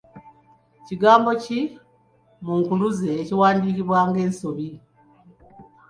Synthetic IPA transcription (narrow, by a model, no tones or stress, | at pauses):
ciɡaːmbo̞ci | muːŋkuluzeːciwaːndiːciβwaːŋɡe̞ːnso̞βi